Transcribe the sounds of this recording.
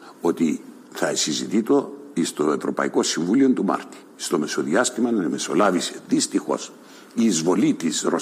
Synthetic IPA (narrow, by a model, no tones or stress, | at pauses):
o̞t̪i | θɐesizit̪it̪o̞ist̪o̞e̞vɾo̞pɐ̰iko̞siɱvulio̞nt̪umɐ̰ɾt̪i̥ | st̪o̞me̞so̞ðiɐst̪imɐnɐemeso̞̰lɐvise̞ðist̪ixo̞̰s | iːzvo̞lit̪isɾo̞